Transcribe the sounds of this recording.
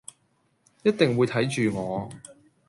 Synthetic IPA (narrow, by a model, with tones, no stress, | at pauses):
jɐ˥t̚t̪ɪ˨ŋwuː˨˧jt̪ʰɐ˨˥jt͡ʃyː˨ŋɔː˨˧